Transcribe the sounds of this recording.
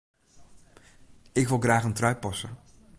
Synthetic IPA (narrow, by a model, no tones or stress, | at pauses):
ɪkʋɪlˠɣraːχəntrœɥpɑsə̰